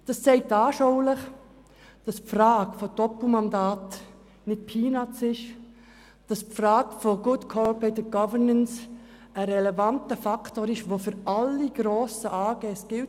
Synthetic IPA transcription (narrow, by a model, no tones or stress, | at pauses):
d̥ɑssɛɪtɑːʃoʊlɪχ | d̥ɑspfrɑːɡfodɔpl̩mɑndɑːt | nɪt̚pʰiːnat͡sɪʃ | d̥ɑspfrɑːɡ̥foɡʊdkʰɔpɛtəɡ̥ɑvəɹnəns | əɾɛlɛvɑntəfɑkʰtoːɾɪʃʋofʏɾɑlːiɡ̥ɾoːsəʔɑːɡ̥ɛːsɡ̥ɪlt